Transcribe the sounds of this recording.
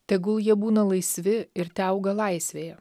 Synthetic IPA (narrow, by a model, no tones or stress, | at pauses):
t̪ʲɛɡʊlˠjiɛbuːnɐlˠɐɪsʲʋʲɪɪɾt̪ʲɛˑʊɡɐlˠɐɪsʲʋʲeːjɛ